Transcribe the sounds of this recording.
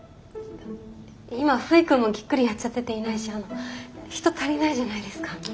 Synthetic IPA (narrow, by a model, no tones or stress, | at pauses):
imaɸɯ̟ikɯmːoɡʲikːɯ̟ɾʲijat͡ɕːat̪ːe̞t̪e̞inaiɕiano̞çi̥t̪o̞t̪ʰaɾʲinaiʑanaid̪e̞sɨ̥ka